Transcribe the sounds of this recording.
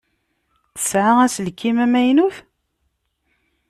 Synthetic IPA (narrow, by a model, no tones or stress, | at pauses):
θə̥sʕaʁæsəlkːimæmæjnuf